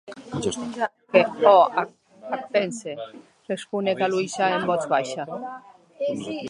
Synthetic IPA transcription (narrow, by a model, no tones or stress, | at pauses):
a | keɔa | ak̚t̪ense | respunekalujsaembɔt͡sβajʃa